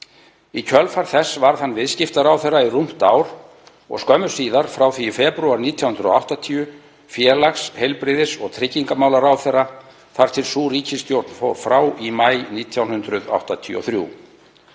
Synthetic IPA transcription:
icʰœlfaɾ̥θɛsːvaɾ̥θanːvɪðscɪft̪aɾaːwθɛrːairum̥t̪aːwɾ | ɔ̰ɣskœmʏ̥siːðaɾ̥fɾaːwθifɛːpɾʏaɾniːt̪ʰjawhʏnɾʏɔ̰awht̪at̪ʰiːʏ | fjɛːɾlaxshejlpɾɪðɪsɔɣt̪ʰɾɪcːiŋkamaːwlaɾaːwθɛrːa | θaɾ̥t̪ʰɪlsuːɾiːcʰɪst̪jowɾt̪nfofɾaːwimajniːt̪ʰjawnhʏnt̪ɾʏða̰wht̪at̪ʰḭːɔ̰θɾjṵ

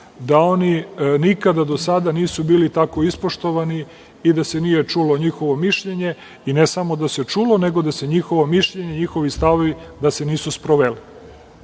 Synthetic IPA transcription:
d̪ao̞ninikad̪ad̪o̞sad̪aniːsubiːlit̪ako̞ispoʃt̪o̞ʋani | id̪ase̞nije̞t͡ʂuloɲixo̞ʋo̞miʃʎe̞ɲe̞ | inesamo̞d̪ase̞t͡ʂulo̞ne̞ɡod̪ase̞ɲixo̞ʋo̞miʃʎeɲe̞ɲixo̞ʋist̪aʋoʋid̪ase̞niːsuspɾoʋeli

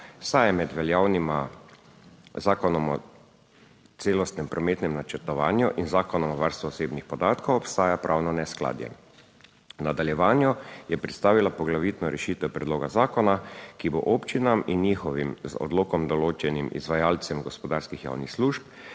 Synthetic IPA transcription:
sajmɛd̪ʋɛljawnima | zaːkɔnɔmɔ | t̪seːlɔst̪nɛmpɾɔmeːt̪nɛmnat͡ʃɛɾt̪ɔʋa̰ːnjuʔinzaːkɔnɔmɔʋaɾst̪ʋɔseːbnixpɔd̪aːt̪kɔwɔpst̪aːjapɾʔawnɔnɛskla̰ːd̪jɛ̰ | nad̪aljɛʋaːnjɔjɛpɾɛt̪st̪aːʋilapɔɡlaʋit̪nɔɾʔɛʃiːt̪ɛpɾɛd̪loːɡazaːkɔnakibo̰ʔopt͡ʃinaminːiːxɔʋimzɔ̰d̪loːkɔmd̪ɔloːt͡ʃɛnimḭzʋajaːlt̪sɛmɡɔspɔd̪aːɾskixja̰ːwnixsluːʃp̚

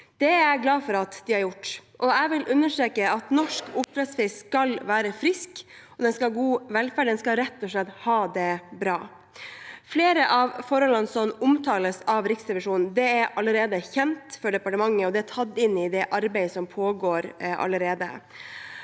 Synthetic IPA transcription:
d̪̥ɛæɡlɑːfɔɾɑt̪d̪ɪhɑɾjʊʈːʔɔæʋɪlʔʉnːəʂʈɾeːkəɑt̪nɔʂkʊpɾɛsfɪskɑlʋæːɾəfɾɪskɔd̪ɛnskɑlɡuːʋɛlfæːɖɛnskɑɾɛt̪ːɔʂɭɛt̪ːhɑːd̪ɛbɾɑː | fleːɾəʔɑʋfɔɾhɔlːənsɔmʊmt̪ʰɑːləsɑʋɾɪksɾɛʋɪʂuːnn̩d̪ɛæɾɑlːəɾeːd̪əçɛnt̪fɔɖɛpɑʈəmɑŋːəɔd̪ɛæt̪ʰɑt̪ːɪnːɪd̪ɛʔɑɾbæɪsɔmpʰoːɡoːɾʔɑ̰lːəɾeːd̪ə̰

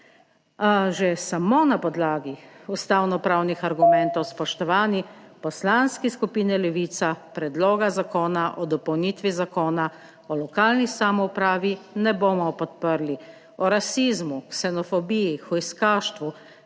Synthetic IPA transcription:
aʒɛsamonapɔd̪laːɡiust̪awnɔpɾawnixaɾɡumɛ̃nt̪ɔwspɔʃt̪ɔʋaːnipɔslanskɛskupiːnɛlɛʋiːt̪sapɾɛd̪lɔːɡazakɔːnaʔɔd̪ɔpɔwniːt̪ʋizakɔːna | ɔlɔkaːlnisamɔupɾaːʋinɛboːmɔpɔt̪pəɾli | ɔɾasizmuksɛnɔfɔbijixɔjskaːʃt̪ʋu

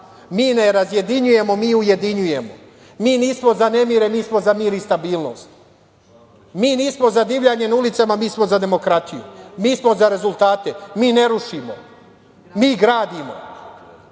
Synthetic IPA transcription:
miːne̞ɾazje̞d̪iɲuje̞mo̞miːuje̞d̪iɲuje̞mo̞̰ | miːniːsmo̞zane̞miɾe̞miːsmo̞zamiːɾist̪abiːlˠno̞̰st̪ | miːniːsmo̞zad̪iʋʎaɲe̞nulit̪samamiːsmo̞zad̪e̞mo̞kɾat̪ijṵmiːsmo̞zaɾe̞zulˠt̪aːt̪e̞miːne̞ɾuʃimo̞̰ | miːɡɾaːd̪imo̞̰

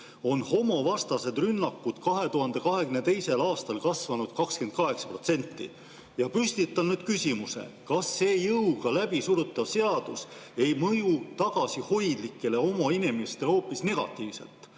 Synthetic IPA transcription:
o̞nho̞mo̞vɑst̪ɑse̞d̪̥rynːɑkːud̪̥kɑɦe̞t̪uɦɑnd̪e̞kɑɦe̞ɡ̥ymne̞t̪e̞jse̞lɑːst̪ɑlkɑsvɑnud̪̥̚kɑkske̞n̚kɑɦe̞ksɑ̥pro̞t̪se̞nʲt̪ːḭ | jɑpysʲt̪it̪ːˑɑnyːd̪̥̚kysʲimuse̞̰kɑsːeːjɤwɡ̥ɑlæb̥isuɾut̪ːˑɑvse̞ɑd̪̥use̞jmɤjut̪ɑɡ̥ɑsiho̞jd̪likːˑe̞leo̞moinimest̪eho̞ːpːisne̞ɡ̥ɑ̰t̪ːˑiːvse̞̰lt̪ˑ

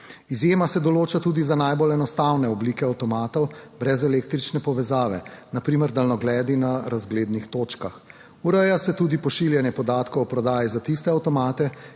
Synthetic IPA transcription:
izjeːmasɛd̪ɔloːt͡ʃat̪uːd̪izanajbolɛnɔst̪awnɛɔbliːkɛawt̪ɔmaːt̪ɔwbɾɛzɛleːk̚t̪ɾit͡ʃnɛpɔʋɛzaːʋɛnapɾiːməɾd̪alnɔɡlɛːd̪inaɾazɡleːd̪nixt̪oːt͡ʃkax | uɾəjasɛt̪ud̪ipɔʃiljɛnjɛpɔd̪aːt̪kɔwɔpɾɔd̪aːjizat̪ist̪ɛawt̪ɔmaːt̪ɛ

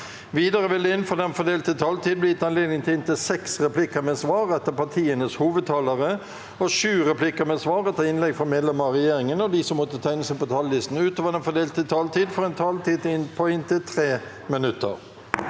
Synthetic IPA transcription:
ʋiːd̪ɑʁəʋɪld̪ɛɪnfɔd̪ɛnfɔd̪eːlt̪ət̪ʰɑːlt̪iːd̪blɪɪt̪ːɑnleːd̪nɪŋt̪ʰɪlɪnt̪ɪsɛksʁɛplɪkəɾmɛsʋɑːɾɛt̪ːəpɑt̪ʰiːənəshuːʋəd̪̚t̪ʰɑːləʁə | ɔʃʉːʁɛpʰlɪkəɾmɛsʋɑːɾɛt̪ːəɪnlɛɡfɔmeːd̪lɛməʁɛjeːɾɪŋənɔd̪ɪsɔmːɔt̪ːət̪ʰæɪnəsəpɔt̪ʰɑːlːɪst̪n̩ʉːt̪oːʋəd̪ɛnfɔd̪eːlt̪ət̪ʰɑːlt̪iːd̪fɔʁɛnt̪ʰɑːlt̪iːd̪t̪ɪnpʰɔɪnt̪ɪt̪ʰɾeː | mɪnʉt̪ːə̰ɾ

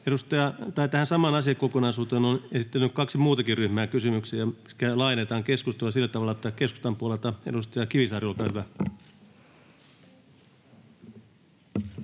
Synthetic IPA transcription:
edust̪ɑjɑt̪ɑit̪æhænsɑmɑnɑsiɑkokonɑisuːt̪eːnonesit̪ːelːykkɑksimuːt̪ɑkiryhmæːkysymyksiækælɑinet̪ɑːŋkeskust̪oɑsilːæt̪ɑʋɑlːɑt̪ːækesku̥st̪ɑmpuolelt̪ɑḛdust̪ɑjɑkiʋisɑːriolkɑːhyʋæ

